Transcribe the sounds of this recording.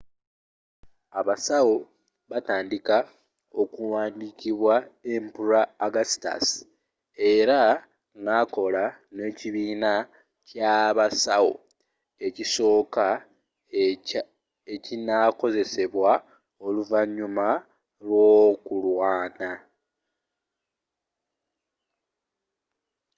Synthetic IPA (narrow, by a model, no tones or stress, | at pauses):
aβasawo | βataːndika | o̞kuwaːndikiβwae̞mpuɾaːɡasta̰s | e̞ɾa | ŋako̞lane̞ːciβiːna | caβasawo̰ | e̞ciso̞ːka | ecinako̞ze̞se̞βwa | o̞luvaɲːuma | lwo̞ːkulwaːna